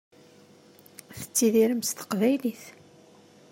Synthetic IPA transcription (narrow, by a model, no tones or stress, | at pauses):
θə̥t͡sːiðiɾəmst̪ə̥qvæjliθ